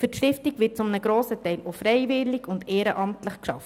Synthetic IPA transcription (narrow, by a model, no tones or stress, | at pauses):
fɵtʃtɪftikʋɪːt̚t͡sʊmnəɡɾoːsətɛɪlofɾɛɪvɪlːɪɡʊndeːɾəʔɑmtləχkʃɑ̰ft